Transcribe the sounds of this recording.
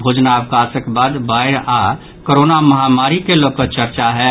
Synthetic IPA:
bʱoːd͡ʒnaʋkasəkbaːd̪baːɪɾa | koɾoːnaməɦamaːɾikelokət͡ʃəɾt͡ʃaɦɛ

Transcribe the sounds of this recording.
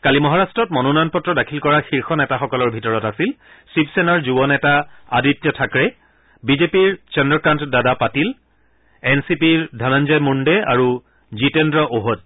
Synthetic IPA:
kalimɔɦaɹastɹɔtmɔnunɔjɔnpɔtɹɔdakʰilkɔɹaxiɹxɔnɛtaxɔkɔlɔɹbʱitɔɹɔtasil | sipsɛnaɹzubɔnɛtaa̰ditjɔtʰakɹɛ | bizepiɹt͡ʃɛndɔkɹantdadapatil | ɛnsipiɹdʱanand͡ʒajmundɛa̰ɹu | zitɛndɹɔʔoɦod̚

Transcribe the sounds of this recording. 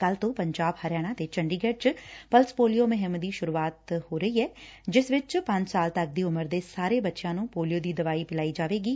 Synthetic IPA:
kəlt̪õːpəɲd͡ʒaːbhəɾɪjaːɽ̃aːt̪eːt͡ʃəɳɖiːɡɛʈt͡ʃpəlspoːlijoːmɪɦɪmd̪iːʃʊɾuːaːt̪hoːɾəiːɛːd͡ʒɪsʋɪt͡ʃpə̃ɲd͡ʒsaːlt̪ək̚d̪iːʊməɾd̪eːsaːɾeːbətːʃjãːnũːpoːlijoːd̪iːd̪əʋaːiːpɪlaːiːd͡ʒaːʋeːɡiː

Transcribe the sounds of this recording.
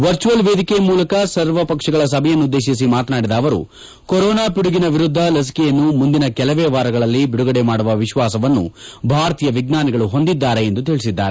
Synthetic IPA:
ʋɐɾt͡ʃuʋɐlʋe̞ːd̪ikemuːlɐkɐsɐɾʋɐpɐkʂɐɡɐɭɐs̬ɐbʱɛjɐnːud̪ːe̞ːʃis̬imaːt̪naːɽid̪ɐːʋɐɾṵ | koɾɔːnaːpiɽuɡinɐʋiɾud̪ʱːɐlɐs̬i̥kɛjɐnːumund̪inɐkɛlɐʋeːʋaːɾɐɡɐɭɐlːibiɽuɡɐɽemaːɽuʋɐʋiʃʋaːsɐʋɐnːṵbʱaːɾɐt̪iːjɐʋiɡnaːnɛɡɐɭuɦo̞nd̪id̪ːaːɾe̞end̪ut̪iɭisid̪ːa̰ːɾe

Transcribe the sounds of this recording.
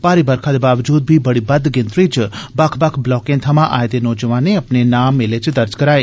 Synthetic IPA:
paːɾibəɾkʰad̪ebaːʋd͡ʒuːd̪̚bʱibəɽibɐd̪ɡɪ̃nt̪ɾit͡ʃbakʰbakʰblɔːkẽnt̪ʰəmãʔaːjt̪enɔːd͡ʒəʋãːneəpnenaːmːelet͡ʃd̪əɾd͡ʒkəɾaːe

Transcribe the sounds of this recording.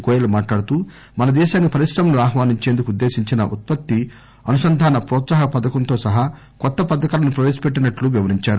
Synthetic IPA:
kɔːjɐlɐmaːʈlaːɽut̪uː | mɐnɐd̪ɛːʃaːnːipɐɾisɾɐmɐnuaːɦʋaːniɲt͡ʃe̞ːnd̪ukud̪ːe̞ːʃiɲt͡ʃinɐ̰ʔut̪̚pɐt̪ːi | ɐnusɐnd̪ʱaːnɐpɾɔːt̪saːɦɐpɐd̪ɐkɐnt̪o̞ːsɐɦɐ | kɔt̪ːɐpɐd̪ɐkaːlɐnupɾɐʋeːsɐ̥peʈːinɐʈluʋiʋɐɾiɲt͡ʃaːɾu

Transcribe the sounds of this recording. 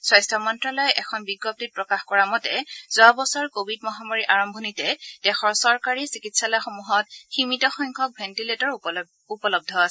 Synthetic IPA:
swajstʰɔmɔntɹalɔjʔɛkʰɔnbiɡːɔp̚tit̚pɹɔkaxkɔɹamɔtɛ̰z̥ɔabɔsɔɹkobʱid̚mɔɦamɔɹiʔaɹɔmbʱɔnitɛd̥ɛxɔɹsɔɹkaɹisikitsalɔjxomuɦɔt̚ximitɔxɔjŋkʰɔk̚bʱentiletɔɹ | upɔlɔb̚dʱɔasɛ

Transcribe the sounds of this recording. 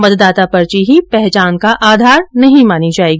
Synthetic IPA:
mɐt̪d̪aːt̪apɐɾt͡ʃiɦipɛɦt͡ʃaːnkaʔaːd̪ʱaːɾnɐɦĩmaːnid͡ʒaːeɡi

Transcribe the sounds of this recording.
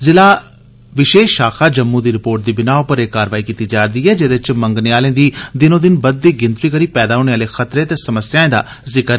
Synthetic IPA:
zɪlaː | ʋɪʃeːʃʃaːkʰaːd͡ʒəmːũːd̪iːɾɪpoːɾʈ̚d̪iːbɪnaːʊpəɾekːaːɾəʋaːiːkiːt̪iːd͡ʒaːɾd̪iːɛːd͡ʒeːd̪ɪt͡ʃməŋɡnɪaːlẽːd̪iːd̪ɪnõːd̪ɪnbəd̪̚ːiːɡɪnt̪iːkəɾiːpɛːd̪aːɦoːñeːaːleːxʰət̪ɾeːt̪eːsəməsjãːẽːd̪a̰ː | zɪkəɾ

